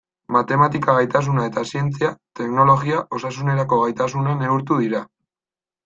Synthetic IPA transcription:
mat̪e̞mat̪ikaɣajt̪as̬unae̞t̪asie̞nt͡siat̪e̞kno̞lo̞ɣiaʔo̞sasune̞ɾako̞ɣajt̪as̬unane̞uɾt̪uðiɾa

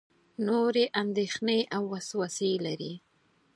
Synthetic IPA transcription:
noɾeʔand̪exneʔawːaswaselaɾi

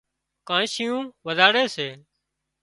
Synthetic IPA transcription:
kãːʃɪjũːʋəzaːɽeːseː

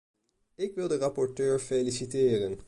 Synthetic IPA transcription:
ɪkʋɪld̪əɾɑpɔʈøːɹfelɪsɪt̪ʰeːɾən

